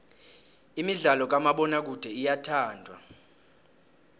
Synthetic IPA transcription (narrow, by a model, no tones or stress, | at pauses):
imiɮalɔk̬amaɓɔnak̬ud̥ʱɛijatʰaːndʱwa̰